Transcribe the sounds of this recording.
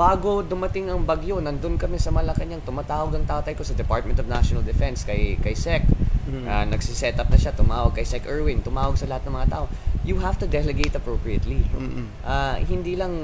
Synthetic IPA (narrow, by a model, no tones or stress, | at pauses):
baːɡod̪ʊmɐt̪ɪŋɐŋbɐɡjonɐnd̪onkɐmɛsɐmɐlɐkɐɲɐŋt̪ʊmat̪aːwoɡɐŋt̪aːʔot̪ɐjko̞sɐd̪ɛpaɹt̪̚mɛnt̪ɔvnaʃonɐld̪ɪfɛnskɐjkɐjsɛk̚ʔanɐɡsisɛt̪ɐp̚nɐʃat̪ʊmaːwɐɡ̚kɐjsɛkʔɛɹwɪŋt̪ʊmaːwɐɡ̚sɐlɐhat̪̚nɐŋmɐŋat̪aːʔo̞juɦaft̪ud̪ɛlɛɡejt̪ɐpɹowpɹiɐt̪li | ʔahɪnd̪ilɐŋ